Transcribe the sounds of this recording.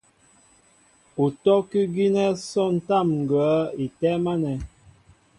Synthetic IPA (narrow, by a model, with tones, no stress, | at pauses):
u˨tɔ˦ki˦ɡi˦nɛ˦sɔ˦n̩˦ta˦˨mŋ̩˨ɡə˨˦i˨tɛ˦ma˦nɛ˨